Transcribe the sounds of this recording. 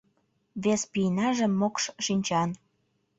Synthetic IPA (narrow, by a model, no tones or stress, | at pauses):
βespinɑʒəmːokʃʃinʲt͡ɕɑn